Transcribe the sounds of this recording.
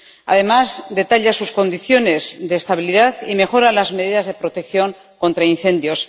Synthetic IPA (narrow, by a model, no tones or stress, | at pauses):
a̰ðe̞mazd̪e̞t̪aʎasusko̞nd̪iθjo̞ne̞zðe̞ːst̪aβiliðaðime̞xo̞ɾalazmeð̞iðazðe̞pɾo̞t̪e̞kθjo̞ŋ | ko̞nt̪ɾainθe̞nd̪jo̞s